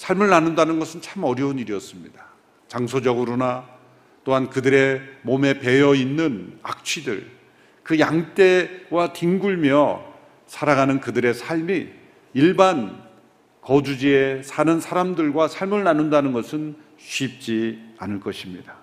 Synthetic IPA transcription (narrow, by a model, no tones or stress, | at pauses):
sʰaɭmɯɭnanɯndanɯnɡʌsʰɯnt͡ɕʰamʌɾjʌuniɾiʌs͈ɯmɲida | t͡ɕaŋsʰod͡ʑʌɡɯɾona | t͈oɦankɯdɯɾe̞mome̞pe̞jʌinːɯna̰k̚t͡ɕʰidɯ̰ɭ | kɯjaŋt͈e̞watiŋɡuɭmjʌ | sʰaɾaɡanɯnkɯdɯɾe̞sʰaɭmiː | ɭban | kʌd͡ʑud͡ʑiesʰanɯnsʰaɾamdɯɭɡwasʰaɭmɯɭnanundanɯnɡʌsʰɯn | ɕʰɥip̚t͡ɕ͈ianɯɭk͈ʌɕʰimɲida